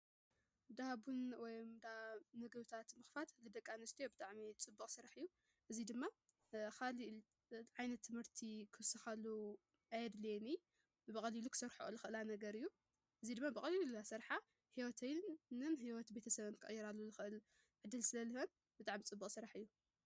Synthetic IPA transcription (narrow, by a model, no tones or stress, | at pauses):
d̪abunwɔjmd̪anɐɡɐβt̪ʰat̪mɨxfat̪lɨd̪ɐkʼːanɨst̪ʰijobɨt̪ʼaʕmit͡sʼɨbːukʼsɨɾaħɨjːu | ʔɨzid̪ɨmːa | xʰaliʔ | ʕajnɐt̪ʰːɨmhɨɾt̪ʰikʰɨsɨxalu | ʔajɛd̪leni | bɨkʼɐlilukʰɨ̥sɐɾħo̰lɨxɨʔɨlanɐɡɐɾɨjːu | ʔɨzid̪ɨmːabɨkʼɐlillulasɐɾħa | hiwɔt̪ʰɐjnɨnɦiwɔt̪be̞t̪ʰɐsɐβɨnkʰɨʔʼjːiɾalːuzɨxɨʔɨl | ʕɨd̪ːɨlsɨlɐlːɨhɐn | bɨt̪ʼaʕmit͡sʼɨbːukʼsɨɾaħɨjːu